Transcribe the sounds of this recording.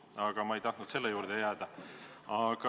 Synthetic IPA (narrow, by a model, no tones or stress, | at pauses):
ɑɡ̥ɑmɑe̞jt̪ɑht̪nud̪se̞lːejuːɾd̪̥e̞jæːd̪̥ɑɑɡ̥ɑ